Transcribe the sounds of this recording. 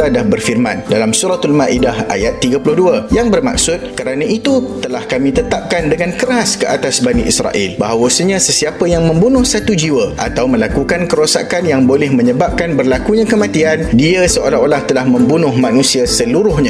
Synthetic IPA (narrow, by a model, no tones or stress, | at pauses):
adahbərfirmã̰ndalamsuɾat̪almaʔidaha̰jat̪ːiɡəpulʊhduəjaŋbərma̰k̚sʊt̪̚kəɾanãit̪ut̪əlahkamĩt̪ət̪ap̚kandəŋankəɾaskəʔat̪asbanĩʔḭsɾa̰ʔḭlbaɦawəsəɲãsəsiapəjaŋmə̃mbunʊ̃hsat̪ud͡ʒiwəʔa̰t̪awmə̃lakukankəɾosa̰kanjaŋbolɛhmə̃ɲəbap̚kanbərlakuɲãkəmãt̪iandiəsəolaolaht̪əlahmə̃mbunʊhmãnũsiasəluɾʊhɲã